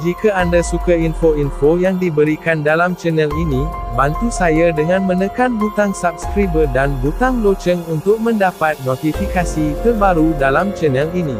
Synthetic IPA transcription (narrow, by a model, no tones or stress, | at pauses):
d͡ʒikaandasukainfoinfojaŋdibəɾikandalamt͡ʃənəlinĩbant̪usajadəŋãnmə̃nə̃kanbut̪aŋsap̚skɾibədanbut̪aŋlot͡ʃəŋunt̪ʊk̚mə̃ndapat̪̚not̪ifikasikəbaɾudalamt͡ʃənəlinĩ